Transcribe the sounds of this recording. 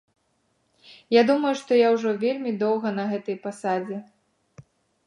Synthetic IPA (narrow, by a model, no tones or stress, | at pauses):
jad̪umɐjuʂt̪ɔjawʐɔvʲelʲmʲid̪ɔwɣɐnɐɣɛt̪ɐjpasad͡zʲɛ